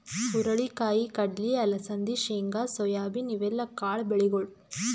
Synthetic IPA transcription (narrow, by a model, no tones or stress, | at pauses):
pʊɾɐɭikaːjikɐɖliɐlɐsɐnd̪iʃiːŋɡaːsɔjaːbinɪʋɛlːɐkaːɭbɛɭiɣɔɭ